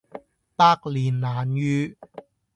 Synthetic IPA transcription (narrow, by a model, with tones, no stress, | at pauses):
paː˧k̚liː˨˩nlaː˨njyː˧